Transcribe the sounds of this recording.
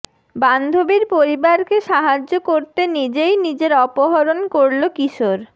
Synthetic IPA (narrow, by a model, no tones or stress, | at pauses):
band̪ʱobiɾpoɾibaɾkeʃaɦad͡ʑokoɾt̪enid͡ʑejnid͡ʑeɾɔpoɦɔɾonkoɾlokiʃoɾ